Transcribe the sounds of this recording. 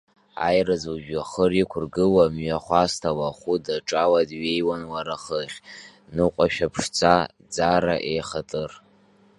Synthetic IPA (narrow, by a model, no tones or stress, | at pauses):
a̰jrazuʒᶣaχərikʷʰʊrɡɨwamɥaχʷastʰawaχʷudaʈ͡ʂʼawadɥejwanwaɾaχəχʲ | nɨqʷʼaʃᶣapʰʂt͡sʰʼa | d͡zaɾaʔejχatʼɨr